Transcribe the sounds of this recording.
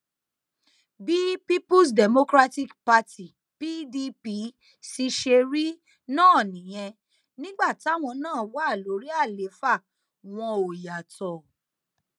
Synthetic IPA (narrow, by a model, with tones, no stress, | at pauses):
bi˦pi˦pu˦s̬dɛ˨mo˧kɾa˦ti˦kpa˦tʰi˨ | pi˦di˧pi˧˦ | si˧ʃe˧ɾi˦ | nãː˦˨nĩ˨j̃ɛ̃˧ | nĩ˦ɡ͡ba˦˨ti˨˦a˦˨w̃ɔ̃˧nãː˦˨wa˦˨lo˨˦ɾi˦a˦˨le˨˦fa˦˨ | w̃ɔ̃˧o˨ja˨tɔ˨